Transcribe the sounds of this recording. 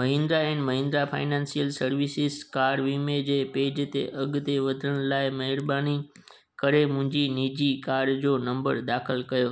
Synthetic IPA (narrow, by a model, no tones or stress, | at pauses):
mɐɦɪ̃nd̪ɾaɛ̃ːnmɐɦɪ̃ːnd̪ɾapʰa̰ːɪnãːnsijəlsɐɾʋɪsɪskaːɾɖʋiːmed͡ʑeːpeːd͡ʑt̪ḛʔɐɡt̪eʋɐd̪ʱəɽ̃laːɪmɐɦɪɾbaːni | kɐɾemʊ̃ɦɪ̃ɲd͡ʑiniːd͡ʑikaːɾɖd͡ʑoːnɐ̃mbəɾd̪aːxɪlkɐjoː